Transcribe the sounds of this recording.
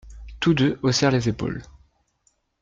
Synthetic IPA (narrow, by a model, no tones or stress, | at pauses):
t̪ud̪øosɛʁlezepo̰l